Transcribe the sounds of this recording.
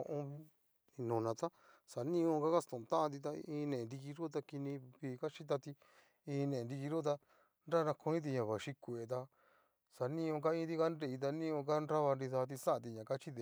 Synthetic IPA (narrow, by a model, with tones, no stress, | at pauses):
õ̰˧ʔõ˧ | i˧nũ˨nã˨˧t̪a˦ | sa˨nĩ˦õ˧ka˦ka˦st̪õ˨˧t̪ã˦ʔã˧t̪̬i˧t̪a˧ĩː˧nẽ˨nd̪i˧ki˧ɾu˦t̪̬a˧ki˧nĩ˧βiː˧˦˧ka˦t͡ʃi˦t̪̬a˧t̪i˧ | ĩː˧nẽ˨ẽ˨˧d̪i˧ki˧ɾu˦t̪̬a˧ | nɾa˦˧nã˧ko˧nĩ˦t̪̬i˧ɲã˨βa˨ʃi˧kʷe˨t̪̬a˧ | sa˨nĩ˦õ˧k̬a˧ĩː˧˦t̪i˦˧ka˦nɾe˧i˧t̪̬a˧nĩ˦õ˧k̬a˦nɾa˦βa˧nɾi˧θa˧t̪̬i˧sa˦˧t̪̬i˧ɲã˨ka˦t͡ʃi˦ðe˨